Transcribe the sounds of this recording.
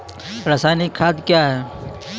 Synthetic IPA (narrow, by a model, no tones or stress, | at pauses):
ɾəsaːnikʰaːd̪kjaɦɛː